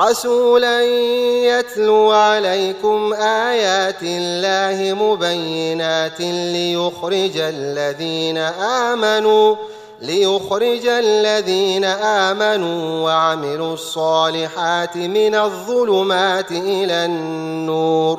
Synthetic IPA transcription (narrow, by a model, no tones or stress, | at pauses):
ɾˤɑsuːlanjat̪luːʕalajkʊmʔaːjaːt̪ɪlːaːhɪmʊbajːɪnaːt̪lɪjʊxɾɪd͡ʒalːaðiːnaʔaːmanuː | lɪjʊxɾɪd͡ʒalːaðiːnaʔaːmanuːwaʕamɪluːɑsˤːɑːlɪħaːt̪ɪmɪnaðˤːʊlʊmaːt̪ɪʔɪlaːnːuːɾ